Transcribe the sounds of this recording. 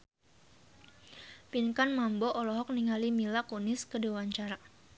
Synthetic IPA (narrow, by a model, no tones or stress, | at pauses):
pinkanmambɔʔɔlɔɦɔk̚niŋalimilakunɪskədewaɲt͡ʃaɾa